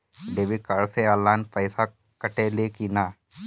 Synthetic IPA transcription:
ɖeːʋikaɽseaːlaːnpəɪsa | kəʈelekinaː

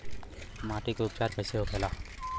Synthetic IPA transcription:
maʈikʊp̚t͡ʃaɾpʰəjseokʰɛla

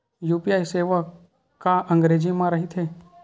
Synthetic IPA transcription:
juːpijaːjseːʋə | kːaʔə̃ŋɡɾeːd͡ʒimãɾɐɦɪt̪ɦeː

